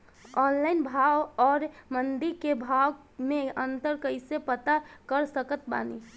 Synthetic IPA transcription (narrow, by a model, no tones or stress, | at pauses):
ɔːnlaɪnbʱawɔːɾmənd̪iɾkebʱaw | meənt̪əɾkəɪsepət̪akəɾsəkət̪ba̰ni